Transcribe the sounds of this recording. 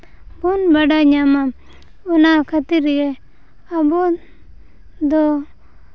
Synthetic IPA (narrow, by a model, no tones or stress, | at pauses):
bunbaɖaɲama | ɔnakʰat̪iɾɡɛ | abɔ | d̪ɔ